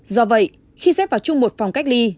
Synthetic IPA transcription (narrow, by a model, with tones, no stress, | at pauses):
zɔ˧və̰˧˨j | xi˧sɛ˦˥p̚vaː˨˩wt͡ɕʊ˧ŋ͡mmo˨˩t̚fa˨˩wŋ͡mka˦˥jk̟̚li˧